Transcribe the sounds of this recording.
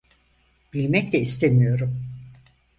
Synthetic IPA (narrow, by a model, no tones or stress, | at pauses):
b̥ilʲmɛclʲɛist̪ʰemijo̞ɾum